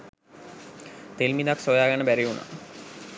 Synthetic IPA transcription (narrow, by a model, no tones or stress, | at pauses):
t̪elmid̪aksojaːɡanəbæɾiuna̰